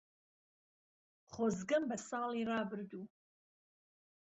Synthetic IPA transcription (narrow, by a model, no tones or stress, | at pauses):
χʷozɡɐmbasaːliraːbɨrdu